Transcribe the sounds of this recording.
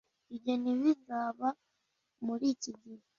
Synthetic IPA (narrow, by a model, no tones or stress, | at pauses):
iβɟeniβizaːβa | muɾiːciɟiɾa